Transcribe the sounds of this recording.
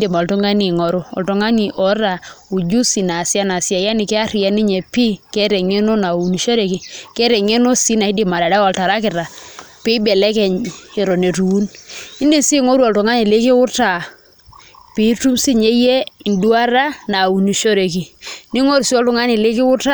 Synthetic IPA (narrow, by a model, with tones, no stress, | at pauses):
di˨ma˨ltɔ˦ŋɡa˦ni˨ŋɔ˨˦ɾu˦ɔ̰˨ltɔ˨ŋa˦ni˨ʔɔ˦ɾa˨u˨d͡ʒu˦si˨na˨sja˦na˨sja˨ja˦ni˨kɛ˦a˦ri˨ja˨ni˦ɲɛ˨pi˦kɛ˦ɾɛ˨ŋe˦no˦na˨wu˨ni˨ʃo˦ɾe˨ki˨kɛ˦ɾɛ˨ŋe˦no˦si˦na˨i˦di˨ma˨ɾa˨da˦ɔ˨lta˨ɾa˦kɪ˨ɾa˨ | pi˦bɛ˨lɛ˦kɛ˨ɲe˨ɾɔ˨ne˨tu˨u˦ni˦nde˦msi˦ŋɔ˦ɾu˦ɔ˨ltɔ˨ŋa˦ni˨le˦kɪ˦wʊ˦ta˨ | pi˨˦tu˦msi˦ɲe˦jɛ˦˨ndu˦a˦ɾa˦na˨u˨ni˨ʃo˦ɾe˨ki˨ni˦ŋɔ˦ɾu˨si˦ɔ˦ltɔ˦ŋa˦ni˨le˦kɪ˦wʊ˦ta˦